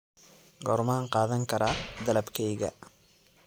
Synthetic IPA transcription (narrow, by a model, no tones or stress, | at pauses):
ɡɔɾmaŋqɑːðɐŋkʰɐɾad̪ɐlɐbkʰɛjɣɐ̰